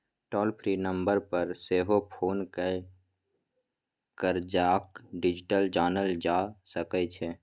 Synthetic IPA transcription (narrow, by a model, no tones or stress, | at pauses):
ʈɔːlpʰɾiːnə̃mbəɾpəɾseːɦopʰoːnke | kəɾd͡ʒaːkɖɪd͡ʒɪʈəld͡ʒaːnəld͡ʒaːsəkət͡ʃʰɛ